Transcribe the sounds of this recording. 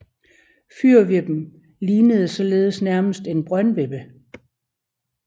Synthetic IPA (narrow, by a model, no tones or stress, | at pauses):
fyɐ̰ʋeb̥m̩ | liːnəð̞ˠəsɒ̽le̝ːð̞ˠəsnæɐməsd̥e̝nb̥ʁɶnʋeb̥ə